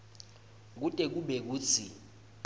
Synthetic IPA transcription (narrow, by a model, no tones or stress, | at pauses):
k̬utʼɛk̬uɓɛk̬uːt͡sʰi